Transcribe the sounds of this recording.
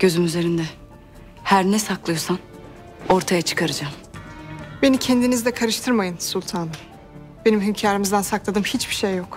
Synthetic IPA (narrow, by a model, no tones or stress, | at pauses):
ɟ̥ø̞zymyze̞ɾind̪ɛ | hæɾnɛsaklˠɯjoɾsan | o̞ɾt̪ʰajat͡ʃʰɯ̥kʰaɾɯd͡ʒaːm | be̞nicʰɛnd̪inizd̪ɛkʰaɾɯʃt̪ʰɯɾmajɯnsulʲˠt̪ʰaːnɯ | be̞nimɦymcʰaːɾimizd̪ænsaklˠad̪ɯmhit͡ʃbiʃejːo̞k